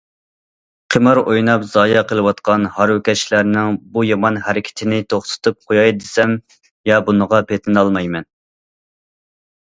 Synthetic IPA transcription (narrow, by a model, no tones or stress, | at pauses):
qʰəmɑɾojnɑpzɑːjɑqʰəlˠɨwɑt̪qɑnhɑɾwʊkʲɛʃlæɾnɪŋbujɑmɑnhæɾɪkʲʰɪ̥t̪ʰɪnɪt̪ʰoχt̪ʰʊ̥t̪ʰup̚qʰojɑjd̪ɪsɛm | jɑbunəʁɑpet̪ʰɪnɑlˠmɑjmɛn